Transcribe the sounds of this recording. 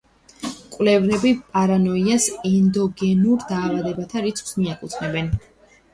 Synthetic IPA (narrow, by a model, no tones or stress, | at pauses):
kʼwlɛvnɛbipʼaɾanɔiasɛnd̪ɔɡɛnuɾd̪aːvad̪ɛbat̪ʰaɾit̪sʰʼχʼsmiakʼut̪sʰnɛbɛn